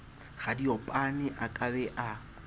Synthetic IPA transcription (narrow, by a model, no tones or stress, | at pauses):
ɣadiɔpʼanɪʔakʼabɛʔa